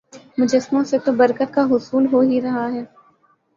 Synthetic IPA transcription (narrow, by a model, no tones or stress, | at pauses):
mʊd͡ʒəsmõset̪obɐɾkət̪̚kaɦʊsuːlɦoɦiɾɐɦaɦɛː